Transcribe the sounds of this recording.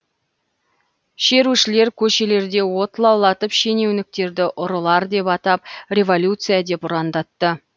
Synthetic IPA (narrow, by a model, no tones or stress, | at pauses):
ʃe̞ɾuʃɪle̞ɾkʲʰɵʃe̞le̞ɾd̪e̞wo̞t̪lˠɑwlˠɑt̪əpʃe̞ne̞wnɪk̚t̪e̞ɾd̪ɪʔʊɾəlˠɑɾd̪e̞pɑt̪ɑp̚rʲe̞vo̞lʲjut̪sɨjad̪e̞pʊɾɑnd̪ɑt̪ːə